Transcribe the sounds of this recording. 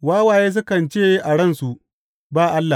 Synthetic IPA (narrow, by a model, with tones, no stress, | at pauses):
waː˦waː˨jeː˦s̬ʊ˦kɐ˨nt͡ʃeː˦jʔa˨ɽɐ˦nsu˨ʔ | baː˦˨ʔa˦lːa˨